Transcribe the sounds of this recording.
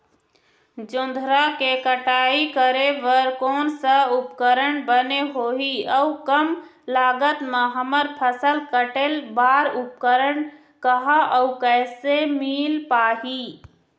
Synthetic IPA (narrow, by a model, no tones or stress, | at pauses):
d͡ʒʊ̃nd̪ʱɾakekəʈaːikəɾeʋəɾkoːnsə̃upkəɾəɳbəneɦoːɦiəukəm | laːɡət̪meɦəməɾpʰəsəlkəʈelbaːɾup̚kəɾəɳ | kəɦaʔəukɛɪsemilpaːɦi